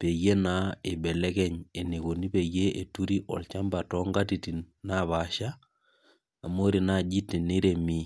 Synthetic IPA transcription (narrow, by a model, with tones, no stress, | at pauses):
pe˨je˦na˨˦e˨bɛ˨lɛ˦kɛ˦ɲe˨ne˨ko˨ni˦pe˨je˦e˨tu˦ɾi˦ʔɔ̰˨lt͡ʃa˦mba˨tɔ˦ŋɡa˦ti˨ti˨nna˦˨βa˨˦ʃa˦ | a˨mo˦ɾi˨na˦˨d͡ʒi˦ti˨ni˦ɾe˨mi˦